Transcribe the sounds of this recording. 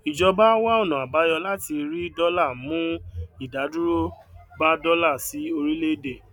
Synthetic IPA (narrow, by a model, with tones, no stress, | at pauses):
i˨d͡ʒɔ˧ba˦wa˦ɔ˦˨nɔ̃˨a˨ba˨˦jɔ˧la˦ti˧ɾi˦dɔ˦la˦˨mũ˦i˦˨da˨˦du˦ɾo˦ba˦dɔ˦la˦˨si˨˦o˧ɾi˦le˦˨de˦˨